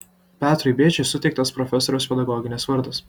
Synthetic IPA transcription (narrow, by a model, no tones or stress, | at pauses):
pʲæːt̪ɾʊɪbʲeːt͡ʃʲɛsʊt̪ʲɛɪkt̪ɐspɾɔfʲɛsɔɾʲoʊspʲɛd̪ɐɡɔːɡʲɪnʲesʋɐɾd̪ɐs